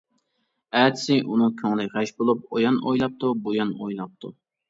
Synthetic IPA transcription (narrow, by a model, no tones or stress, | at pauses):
æːt̪ʰɪ̥sɪʔunɨŋkʲʰøŋlɪʁæʃbolˠup̚ojɑno̰jlˠɑp̚t̪ʰubojɑnojlˠɑp̚t̪ʰu